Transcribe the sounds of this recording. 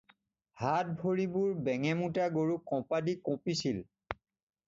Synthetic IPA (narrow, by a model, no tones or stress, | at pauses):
hat̚bʱoɹibuɹbɛŋɛmutaɡoɹukɔ̃padikɔ̃pisil